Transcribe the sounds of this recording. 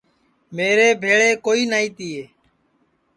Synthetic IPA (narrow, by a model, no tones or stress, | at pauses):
meːɾeːbʱeːɭeːkoːiːnaːiːt̪iːeː